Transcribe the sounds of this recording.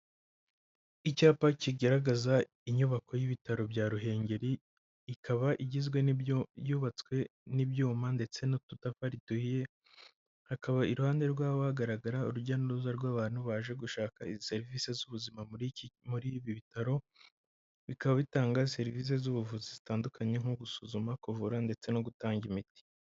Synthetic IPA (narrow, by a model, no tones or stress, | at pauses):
icaːpaciɡaɾaɡaza | iɲuβako̞jiβitaɾo̞bɟaːɾuɦe̞ːɲɟe̞ɾiː | kʰaβaʔiɟizɡwe̞njuːβat͡swe̞nibjuːmande̞t͡se̞notutafaɾituhije̞ | hakaβaiɾuhaːnde̞ɾɡwaːβohaɡaɾaɡaɾauɾuɟanoɾuzaɾɡwaːβaːn̥huβaːʒe̞ɡuʃaːkaizise̞ɾiviːse̞zuβuzimammuɾiβiβitaɾo̞ | βikaβaβitaːŋɡazse̞ɾiviːs̬e̞zuβuvuzizitaːndukʰaɲe̞ŋ̥uɡusuzumakuvuɾande̞t͡se̞noɡutaːŋimiti̥